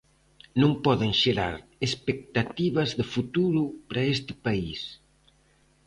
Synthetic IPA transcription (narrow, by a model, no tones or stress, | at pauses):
nõŋpɔðeŋʃeɾa̰ɾespek̚t̪at̪iβɐzðɪfut̪uɾupɾaest̪ɪ̥pais